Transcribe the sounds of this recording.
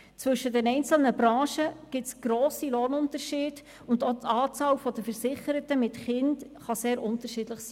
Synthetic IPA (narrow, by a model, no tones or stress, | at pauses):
t͡sʋɵʃːədɛnɛɪnt͡sl̩nəbɾɑ̃ːʃəɡ̥ɪt͡sɡ̥ɾoːsiloːnʊntəɾʃiːd̥ | ʊndot̪ɑːt͡sɑːwfɔd̪əfəɾsɪχəɾətəmɪtχɪntχɑseːɾʔʊntəʃiːdləχsi̥ː